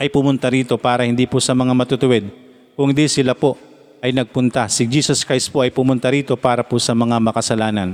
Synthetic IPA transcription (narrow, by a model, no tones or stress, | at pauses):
ʔɐjpʊmʊnt̪ɐɾiːt̪o̞paːɾɐhɪnd̪iːpʊsɐmɐŋamɐt̪ʊt̪ʊwɛd̪̚ | kʊŋd̪isɪlapo̞ʔ | ʔɐjnɐɡ̚pʊnt̪asɪd͡ʒiːsɐskɾajst̪poʔɐjpʊmʊnt̪ɐɾiːt̪o̞paːɾɐposɐmɐŋamɐkɐsɐlaːnɐn